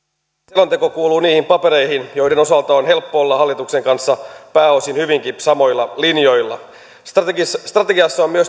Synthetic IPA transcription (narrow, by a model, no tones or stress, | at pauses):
elont̪e̞ko̞kuːluːniːhimpɑpeɾe̞ihinjo̞ijdeno̞sɑlt̪ɑonɦe̞lpːoolːɑhɑlːit̪ukse̞ŋkɑnsːɑpæːo̞sinhyʋiŋkisɑmo̞jlːɑlinjo̞jlːɑ̰ | sst̪rɑt̪eɡiɑsːɑomyøs